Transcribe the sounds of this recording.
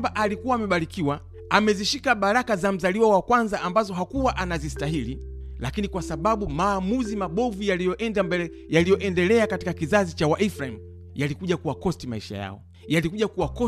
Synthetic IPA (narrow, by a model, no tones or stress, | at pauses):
baʔalikuwaːmɛɓaɾikiwa | amɛziʃikaɓaɾakazam̩zaliwawakwanzaʔambazɔɦakuwaʔanazistahililakinikwasaɓaɓumaːmuzimaɓɔvujalijɔʔɛndambɛɛ | jalijɔʔɛndɛlɛakati̥kakizazit͡ʃawaʔifɾaim̩ | jalikuʄakuwakɔstimaiʃa̰ja̰ɔ̰ | jalikuʄakuwakɔ